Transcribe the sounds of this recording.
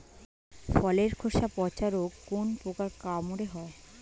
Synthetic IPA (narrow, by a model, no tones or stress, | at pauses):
fɔleɾkʰoʃapɔt͡ɕaɾokːonpokaɾkamuɽeɦɔe